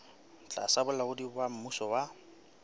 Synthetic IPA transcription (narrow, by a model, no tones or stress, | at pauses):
t͡ɬʼa̰sabʊlaɣʊdibam̩musɔwa